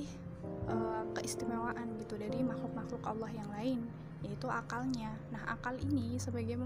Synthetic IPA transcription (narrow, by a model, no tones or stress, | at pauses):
ʔəːkəʔist̪imawaʔanɡit̪udaɾimaxlʊk̚maxlʊka̰lːahjaŋlaɪn | jait̪uʔakalɲanaha̰kalinisəbaɡam